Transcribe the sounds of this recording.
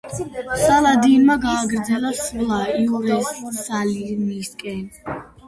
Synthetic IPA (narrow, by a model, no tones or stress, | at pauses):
salad̪inmaɡaːɡɾd̪zɛlasulˠaiɔɾɛsuɾsaliniskʼɛn